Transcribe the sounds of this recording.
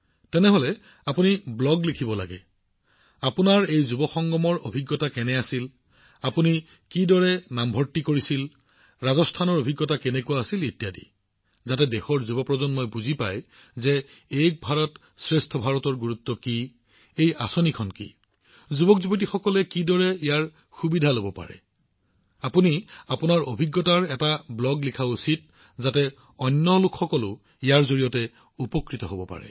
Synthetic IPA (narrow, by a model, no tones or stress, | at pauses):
tɛnɛɦolɛ | apuniblɔɡlikʰibɔla̰ɡɛ̰ | apunaɹejzubɔkɔŋɡɔmɔɹo̰bʱiɡːɔtakɛnɛasil | apuni | kidɔɹɛnambʱɔɹtːikoɹisil | ɹazɔstʰanɔɹobʱiɡːɔtakɛnɛkuwaːsiletijadḭ | zatɛdexɔɹzubɔpɹɔzɔnmɔjbuzipa̰j | zɛek̚bʱaɹɔt | sɹestʰɔbʱaɹɔtɔɹɡuɹutːɔki | ejasɔnikʰɔnkḭ | zubɔkzubot̬ixɔkɔlɛkidɔɹɛijaɹ | xubidʱalobɔpa̰ɹɛ̰ | apuniapʊnaɹobʱiɡːɔtaɹɛtablɔɡlikʰausit̚ | zatɛ | ɔnːɔlʊkʰxɔkɔlʊ | ijaɹzoɹijɔtɛ | upɔkɹitɔɦobɔpa̰ɹɛ̰